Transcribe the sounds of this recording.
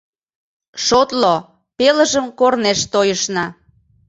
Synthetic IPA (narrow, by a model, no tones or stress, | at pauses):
ʃot̪lo | peləʒəmkorneʃt̪ojəʃnɑ